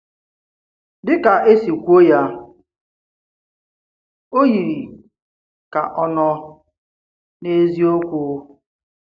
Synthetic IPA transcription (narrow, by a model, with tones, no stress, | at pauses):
dɪ˦ka˨ʔe˦si˨kʷo˦ja˦ | o˦ji˨ɾi˨ | ka˨ʔɔ˦nɔ˦ | ne˦zi˦o˦kʷoː˦